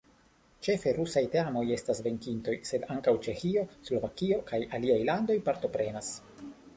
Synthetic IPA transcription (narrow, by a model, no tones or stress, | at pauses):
t͡ʃe̞fe̞ɾusajte̞amo̞je̞stasve̞ŋkinto̞jse̞d̪aŋkawt͡ʃe̞xio̞slo̞vakio̞kajaliajlando̞jpaɾt̪o̞pɾe̞nas